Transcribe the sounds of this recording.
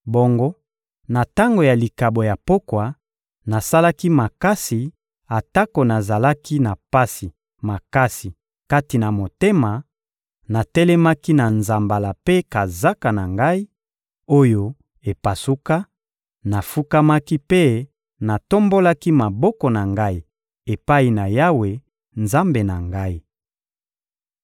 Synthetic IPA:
bo˦ŋɡo˦ | na˨ta˦ŋɡo˨ja˨li˨ka˨bo˨ja˨po˦kwa˨ | na˨sa˦la˦ki˦ma˨ka˦si˨ | a˨ta˦ko˨na˨za˨la˦ki˦na˨pa˦si˨ | ma˨ka˦si˨ | ka˦ti˨na˨mo˨te˦ma˨ | na˨tɛ˦lɛ˦ma˦ki˦na˨nza˨mba˨la˨pe˦ka˨za˦ka˨na˨ŋɡa˦i˦ | o˦jo˦ | e˨pa˨su˦ka˦ | na˨fu˦ka˦ma˦ki˦pe˦ | na˨to˦mbo˦la˦ki˦ma˨bɔ˦kɔ˨na˨ŋɡa˦i˨ | e˨pa˦i˨na˨ja˦we˨ | nza˦mbe˨na˨ŋɡa˦i˦

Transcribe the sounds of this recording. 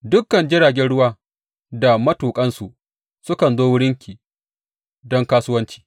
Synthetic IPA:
dʊ˦kːɐ˨nd͡ʒɪ˦ɽaː˨ɡʲɛ˦nɽʊ˦waː˦ | da˨mɐ˦tuː˨kʼɐ˦nsu˨ | sʊ˦kɐ˨nzoː˦wʊ˦ɽɪ˦ŋkʲi˨ | dɔ˦ŋkaː˦sʊ˦wɐ˦nt͡ʃi̥ː˦˨

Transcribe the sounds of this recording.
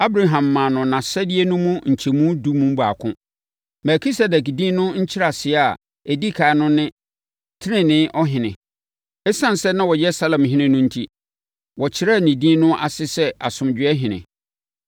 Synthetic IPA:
a˦bɾa˨ɦã˨mːã˨nʊ̃˨nã˨sɛ˦dɪ˦e˦nʊ̃˦mũ˦ɲ̩˨t͡ɕʰɛ˨mũ˦du˦mũ˦m˦ba̰˨kʰʊ̰̃˦ | mɛ˨kʰi˦sɛ˨dɛ˨kdĩː˦nʊ̃˦ɲ̩˦t͡ɕʰɪ˦ɾa˨sɪ˨˦a˨ | e˨di˦kʰaː˨˦nʊ̃˦nɪ̃˦ | tʰɪ˦nɪ̃˦nɪ̃˦ʔɔ˦ɦɪ̃˨nɪ̰̃˨ | ɛ˦sã˦n˨sɛ˦nã˦wɔ˨jɛ˦sa˦lɛ̃˨mɦɪ̃˦nɪ̃˦nʊ̃˦n̩˦tʰi˦ | wɔ˨t͡ɕʰɪ˦ɾa˦˨nĩ˨dĩː˦nʊ̃˦ʔa̰˨sɪ˦sɛ˦ʔa˨sʊ̃˨md͡ʑᶣɪ˨˦ɛ˦ɦɪ̃˨nɪ̰̃˨

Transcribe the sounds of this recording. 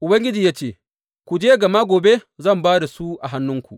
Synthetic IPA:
ʔʊ˨bɐ˦ŋɡʲɪ˦d͡ʒi˨jaː˦t͡ʃeː˦˨ | kʷu˨d͡ʒeː˦ɡɐ˨ma˦ɡʷoː˨be˦zɐ˦˨mbaː˦da˨su˦ʔa˨ɦa˦nːʊ˦ŋkʷṵ˨ʔ

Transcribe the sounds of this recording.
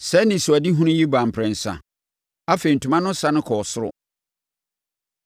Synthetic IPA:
sɛ˦nɪ̃˨sʊ˨a˨di˦ɦũ˦nʊ̃˦ji˦bã˨m̩pʰɾɛ̃˨n̩˨sã̰˨ | a˦fe˨i˨n̩˨tʰũ˨mã˦nʊ̃˦sa˦nʊ̃˦kʰɔ˨sʊ˦ɾʊ̰˦

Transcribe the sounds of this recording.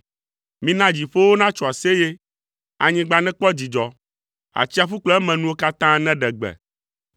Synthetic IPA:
mĩ˦nã˦d͡ʑi˨ɸo˦wo˦nã˦t͡ʃɔ˨a˨se˦je˦ | a˨ɲĩ˦ɡ͡ba˨nɛ̃˦k͡pɔ˦d͡ʑi˨d͡ʒɔ˨ | a̰˨t͡ɕi˦a˨fu˦k͡plɔ˦ɛ˦mɛ̃˨nũ˦wo˦ka˦t̪ã˦nɛ̃˦ɖɛ˨ɡ͡bɛ̰˨

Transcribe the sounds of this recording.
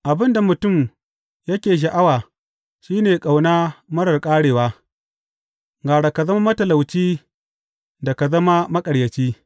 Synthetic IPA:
ʔa˨bɪ˦nda˨mʊ˨tʊ˦˨m | jɐ˦kʲeː˨ʃ̬a˨ʔa˦waː˨ | ʃiː˦neː˨kʼa˨wnaː˦mɐ˦ɽɐ˨rkʼaː˦ɽeː˨waː˦ | ŋɡaː˨ɽa˨ka˨zɐ˦ma˦mɐ˦tɐ˨la˨wt͡ʃiː˦ | da˨ka˨zɐ˦ma˦mɐ˦kʼɐ˨ɽjɐ˨t͡ʃiː˦

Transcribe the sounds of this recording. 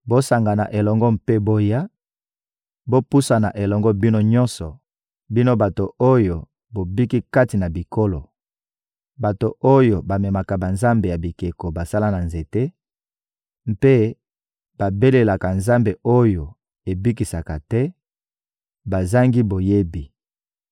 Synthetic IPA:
bo˦sa˨ŋɡa˨na̰˨ʔe˨lɔ˨ŋɡɔ˦mpe˦bo˦ja˦ | bo˦pu˦sa˨na˨ʔe˨lɔ˨ŋɡɔ˦bi˦no˦ɲɔ̃˦nsɔ˨ | bi˦no˦ba˨to˨o˦jo˨ | bo˨bi˦ki˦ka˦ti˨na˨bi˨ko˦lo˨ | ba˨to˨ʔo˦jo˨ba˨me˨ma˨ka˨ba˨nza˦mbe˨ja˨bi˨ke˨ko˨ba˨sa˦la˦na˨nze˨te˦ | m̩pe˦ | b̥a˨be˦le˨la˨ka˨nza˦mbe˨o˦jo˨ | e˨bi˦ki˨sa˨ka˨tɛ˦ | ba˨za˦ŋɡi˦bo˨je˦bi˨

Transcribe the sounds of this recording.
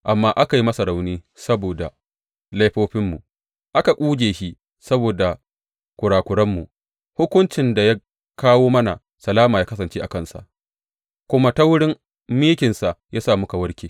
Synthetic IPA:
ʔa˨mːaː˦ʔa˦ka˨ji˦mɐ˦sa˨ɽa˨wniː˦ | sɐ˦boː˨da̰˨ | la˦jɸoː˦ɸɪ˦mːu˨ʔ | ʔa˦ka˨kʷʼuː˦d͡ʒeː˨ʃi˦ | sɐ˦boː˨da˨ | kʷʊ˨ɽaː˨kʷʊ˨ɽɐ˦mːu˨ | hʊ˦kʷʊ˦nt͡ʃɪ˨nda˨ja˦ | kaː˦woː˦mɐ˦na˨ | sɐ˨laː˦maː˨jaː˦kɐ˦s̬ɐ˨nt͡ʃeː˦ʔa˨kɐ˦˨nsa̰˨ʔ | kʷʊ˦ma˦ta˦wʊ˦ɽɪ˦m | miː˦kʲɪ˨nsa˨ʔjaː˦saː˦˨mʊ˦ka˨wɐ˦ɽkʲeː˨

